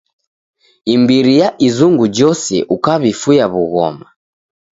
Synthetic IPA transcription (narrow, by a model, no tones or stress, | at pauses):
imbiɾijaʔizuŋɡud͡ʒɔsɛ̰ʔukaβifujaβuɣɔ̰ma